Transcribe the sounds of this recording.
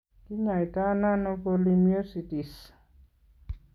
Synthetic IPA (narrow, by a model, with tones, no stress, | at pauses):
ki˦ɲa˨jt̪ana˦nopolimjo˦si˨t̪i˨s